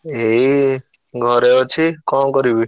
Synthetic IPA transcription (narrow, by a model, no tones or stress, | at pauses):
ɦe | ɡʱʌɾeot͡sʰikɔmɡʌɾibi